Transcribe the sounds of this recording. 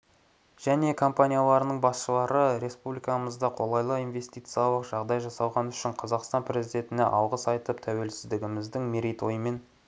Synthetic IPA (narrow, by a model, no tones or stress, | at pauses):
ʒ̥æne̞kʰo̞mpanʲijalˠɑɾənəɴbɑsʃəlˠɑɾəɾe̞spublijkɑməzd̪ɑqʰo̞lˠɑjlˠəinve̞st̪ijt̪sɨjɑlˠəqʒ̥ɑʁd̪ɑjʒɑsɑlˠʁɑnəʏʃɪɴqʰɑzɑqst̪ɑnpʰɾʲe̞zijd̪ʲe̞nt̪ɪnḛʔɑwʁəsɑjt̪əpt̪ʰæwe̞lsɪzd̪ɪɡʲɪmɪzd̪ɪŋmeɾijt̪o̞jəme̞n